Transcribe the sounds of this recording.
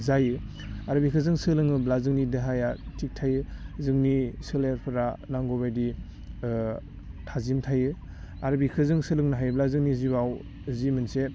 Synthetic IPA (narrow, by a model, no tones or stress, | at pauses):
zajɯ | aɾbikʰɯzɯŋsɯlɯŋɯblazɯŋnideɦajatʰik̚tʰajɯzɯŋnisɯleɾpʰɯɾanaŋɡɔbajdi | tʰazimtʰajɯ | aɾbikʰɯzɯŋsɯlɯŋnaɦajblazɯŋnizibaw | zimɯnse